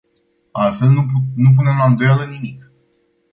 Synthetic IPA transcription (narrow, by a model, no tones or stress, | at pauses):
alt̪fe̞lnunup̬une̞mald̪o̞jalənimik